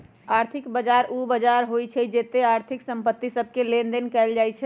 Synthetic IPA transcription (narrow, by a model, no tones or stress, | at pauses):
aɾt̪ʰikbəd͡ʒaɾubəd͡ʒaɾɦojt͡ʃʰɛd͡ʒet̪eaɾt̪ʰiksəmpət̪ːisəb̚ʱkelend̪enkɛld͡ʒajt͡ʃʰɛ